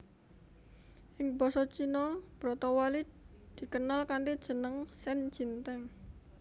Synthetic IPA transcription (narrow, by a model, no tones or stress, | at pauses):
ʔɪŋb̥ɔ̤sɔt͡ʃinɔb̥ɾɔt̪ɔwalid̪̥i̤kənalkant̪ed̥ʒ̥ə̤nəŋsɛn̥ʒ̥i̤nt̪ɛŋ